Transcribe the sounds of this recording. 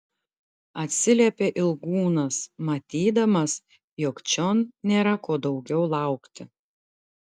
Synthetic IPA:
ɐt̪ʲsʲɪlʲeːpʲeːʔɪlˠɡuːnɐsmɐt̪ʲiːd̪ɐmɐs | jɔkt͡ʃʲɔnnʲeːɾɐkoːd̪ɒʊɡʲɛʊlˠɑˑʊkt̪ʲɪ

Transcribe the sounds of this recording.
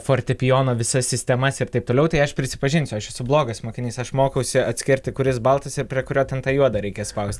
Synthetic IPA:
foːɾʲt̪ʲɛpʲɪjoːnoːʋʲɪsɐsʲsʲɪsʲt̪ʲɛmɐsɪɾt̪ɐɪpt̪oːlʲɛʊt̪ɐɪɐʃpʲɾʲɪsʲɪpɐʒʲɪnʲsʲʊɐʃɛsʊblˠoːɡɐsmoːkʲɪnʲiːsɐʃmoːkɐʊsʲɪɐt̪ʲsʲkʲɪɾʲt̪ʲɪkʊɾʲɪsbɐlˠt̪ɐsɪɾpʲɾʲiɛkʊɾʲoːt̪ʲɛnt̪ɑːjuɔd̪ɐɾʲɛɪkʲɛspɐʊsʲt̪ʲ

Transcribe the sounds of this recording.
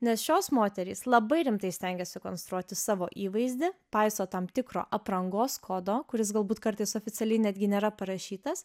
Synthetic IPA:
nʲɛsʃʲoːsmoːt̪ʲɛɾʲiːslˠɐbɐɪɾʲɪmt̪ɐɪsʲt̪ʲɛŋʲɡʲɛsʲɪkoːnst̪ɾuɔt̪ʲɪsɑːʋoːʔiːʋɐɪzʲd̪ʲɪpɐɪsoːt̪ɐmt̪ʲɪkɾo̰ːʔɐpɾɐŋɡoːskʰoːd̪oːkʊɾʲɪsɡɐlˠbuːt̪kɐɾt̪ɐɪsoːfʲɪsʲɛlʲɛɪnʲæd̪ʲɡʲɪnʲeːɾɐpɐɾɐʃʲiːt̪ɐs

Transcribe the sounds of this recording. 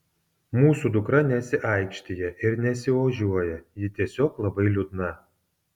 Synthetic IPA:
muːsud̪ʊkɾɐnʲɛsʲɪʔɐˑɪkʃʲt̪ʲɪjɛʔɪɾnʲɛsʲɪʋoʒʲuɔjɛjɪt̪ʲiɛsʲoːklˠɐbɐɪlʲʊd̪nɐ

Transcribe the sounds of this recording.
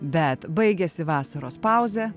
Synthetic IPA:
bʲɛt̪bɐɪɡʲɛsʲɪʋɑːsɐɾoːspɐˑʊzʲɛ

